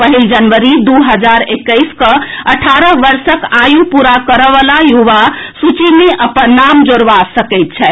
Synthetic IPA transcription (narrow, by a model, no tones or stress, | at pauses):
pəɦild͡ʒənʋəɾid̪uɦəd͡ʒaɾekːəɪskəəʈʰaɾəɦʋəɾsəkajũpuɾakəɾəʋəlajuʋasut͡ʃimeʔəpənːamd͡ʒoɾʋasəkəjt̪̚t͡ʃʰɛ